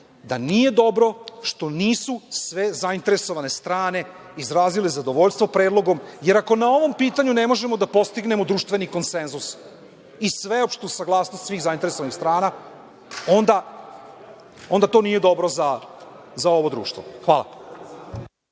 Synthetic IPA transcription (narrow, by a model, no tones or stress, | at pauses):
d̪anije̞d̪o̞bɾo̞ʃt̪o̞niːsusʋezaint̪e̞ɾeso̞ʋane̞st̪ɾaːne̞ | izɾaːzilezad̪oʋo̞ʎst̪ʋopɾe̞ːd̪lˠo̞ɡo̞mje̞ɾako̞nao̞ʋo̞mpiːt̪aɲune̞mo̞ʒe̞mo̞d̪apo̞st̪iɡne̞mo̞d̪ɾuːʃt̪ʋe̞niko̞nse̞nzus | isʋeopʃt̪usaɡlˠaːsnost̪sʋiːxzaint̪eɾeso̞ʋanixst̪ɾaːna | o̞nd̪a | o̞nd̪at̪o̞nije̞d̪o̞bɾo̞za | zao̞ʋo̞d̪ɾṵːʃt̪ʋo̰xʋaːla̰